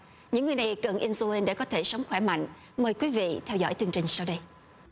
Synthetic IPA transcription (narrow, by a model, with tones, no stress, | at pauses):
ɲɨ̰˧˥ŋːɨ˨˩jna˨˩jkə˨˩nʔi˧nzu˧i˧nɗḛ˧˩kɔ˨˦t̪ʰe˧˩sə˨˦wŋ͡mxwɛ˧˩ma̰˧˨jŋ̟ | məː˨˩jkwi˨˦vḭ˧˨t̪ʰɛ˧wzɔ̰˧˥jt̪ɨ˨˩əŋt͡ɕï˨˩ŋ̟sa˧wɗə˧j